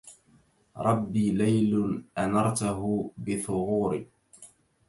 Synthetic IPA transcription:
ɾˤʔɑbːiːlajlʊnʔanɑɾˤt̪aɦʊbɪθʊɣuːɾiː

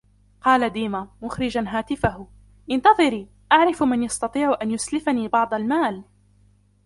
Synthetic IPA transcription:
qɑːlad̪iːmamʊxɾɪd͡ʒanɦaːt̪ɪfahʊ | ʔɪnt̪ɑðˤɨɾiː | ʔaʕɾɪfmanjɑst̪ɑt̪ˤiːʕʔanjʊslɪfaniːbɑʕd̪ˤɑlmaːl

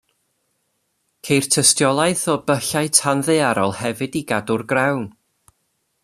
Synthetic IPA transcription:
kʰejr̥tʰəstjɔlˠaɨθɔbəɬaɨtʰanðɨaɾɔlˠhɛvɨdiɡadʊrɡrawn

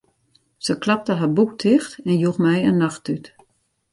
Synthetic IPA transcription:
səklap̚təɦabuk̚tʰɪxtɛnjuxmɛjənːaxtyt

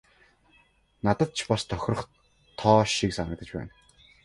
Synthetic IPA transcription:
nat̪ə̆t̪̚t͡ɕʰpɔst̪ʰœxʲrə̆χ | t̪ʰɔːʃiksanə̆k̚t̪ə̆t͡ɕpæ̰ːn

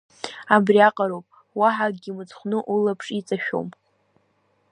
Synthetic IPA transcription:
abriaqʼaɾowpʼ | waħaɡɡʲimɨt͡sχʷnɨʔulapʰʂʼit͡sʼaʃᶣo̰m

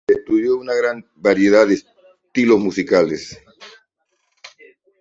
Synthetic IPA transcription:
est̪uðjounaɣɾan | baɾjeðaðes | t̪ilozmusikales

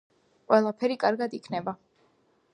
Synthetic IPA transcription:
qʼwɛlˠapʰɛɾikʼaɾɡad̪ikʰnɛba

